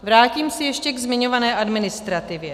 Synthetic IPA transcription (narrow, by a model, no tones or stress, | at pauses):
vɾaːciːmsɛjɛʃcɛɡzmɪɲo̞vanɛːʔadmɪnɪst̪ɾat̪ɪvjɛ